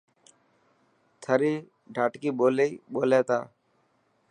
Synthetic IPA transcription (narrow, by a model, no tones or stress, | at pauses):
t̪ʰəɾiː | ɖʱaːʈkiːɓoːleiːɓoːleːt̪a̰ː